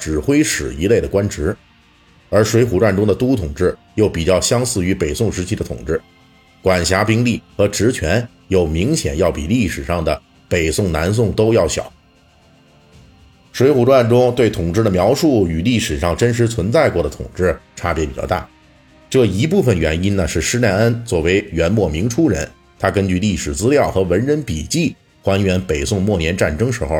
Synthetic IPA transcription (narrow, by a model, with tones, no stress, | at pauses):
ʈ͡ʂɻ̩˨˩xwe˥ɪʂɻ̩˨˩i˧˥le˥˩ɪd̪ə˩kwa˥nʈ͡ʂɻ̩˧˥ | ə˞˧˥ʂwe˧˥ɪxu˨˩ʈ͡ʂwa˥˩nʈ͡ʂʊ˥ŋd̪ə˨t̪u˥t̪ʰʊ˨˩ŋʈ͡ʂɻ̩˥˩ | jo˥˩ʊpi˨˩t͡ɕjɑ˥˩ʊɕjɑ˥ŋsɹ̩˥˩y˧˥pe˨˩ɪsʊ˥˩ŋʂɻ̩˧˥t͡ɕʰi˥ə˧t̪ʰʊ̰˨˩ŋʈ͡ʂɻ̩˥˩ | kwa˨˩nɕja˧˥pi˥ŋli˥˩xɤ˧˥ʈ͡ʂɻ̩˧˥t͡ɕʰɥɛ˧˥n | jo˨˩ʊmi˧˥ŋɕjɛ̰˨˩njɑ˥˩ʊpḭ˨˩li˥˩ʂɻ̩˨˩ʂɑ˥˩ŋd̪ə˩ | pe˨˩ɪsʊ˥˩ŋna˧˥ns̬ʊ˥˩ŋt̪o˥ʊjɑ˥˩ʊɕjɑ̰˨˩˦ʊ | ʂwe˧˥ɪxu˨˩ʈ͡ʂwa˥˩nʈ͡ʂʊ˥ŋt̪we˥˩ɪt̪ʰʊ˨˩ŋʈ͡ʂɻ̩˥˩d̪ə˩mjɑ˧˥ʊʂu˥˩y˨˩li˥˩ʂɻ̩˨˩ʂɑ˥˩ŋʈ͡ʂə˥nʂ̬ɻ̩˧˥t͡sʰwə˧˥nt͡sa˥˧ɪkwɔ˥˩d̪ə˩t̪ʰʊ̰˨˩ŋʈ͡ʂɻ̩˥˩ʈ͡ʂʰa˥pjɛ˧˥pi˨˩t͡ɕjɑ̰˥˧t̪a̰˥˩ | ʈ͡ʂɤ˥˩i˧˥p̬u˥˩fə˩nɥɛ̰˧˥ni˥nnə˨ʂɻ̩˥˩ʂɻ̩˥ljɛ˥˧nə˥nt͡swɔ˥˩we˧˥ɪɥɛ˧˥nmwɔ˥˩mi˧˥ŋʈ͡ʂʰu˥ɻə̰˧˥n | t̪ʰa˥kə˥nt͡ɕy˥˧li˥˩ʂɻ̩˨˩t͡sɹ̩˥ljɑ˥˩ʊxɤ˧˥wə˧˥nɻə˧˥npi˨˩t͡ɕi˥˩ | xwa˧˥nɥɛ˧˥npe˨˩ɪsʊ˥˧ŋmwɔ˥˩njɛ˧˥nʈ͡ʂa˥˩nʈ͡ʂɤ˥ŋʂɻ̩˧˥xo˧˩˧